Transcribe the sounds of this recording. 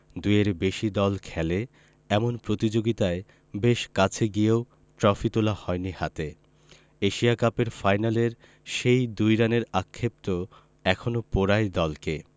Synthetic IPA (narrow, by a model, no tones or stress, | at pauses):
d̪ujeɾbeʃid̪ɔlkʰɛle | ɛmonpɾot̪id͡ʑoɡit̪ae | beʃkat͡ɕʰeɡieo | ʈɾɔfit̪olahɔenihat̪e | eʃiakapeɾfajnaleɾ | ʃejd̪ujɾaneɾakʰːep̚t̪o | ɛkʰonopoɾaed̪ɔlke